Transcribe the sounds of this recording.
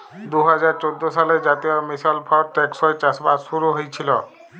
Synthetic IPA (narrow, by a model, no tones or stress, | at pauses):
d̪uɦɔzaɹt͡ʃod̪ːosaled͡ʑat̪ijɔmisalpʰɔt̪ɛksɔjt͡ʃasbasuɾuɦojt͡ɕʰilɔ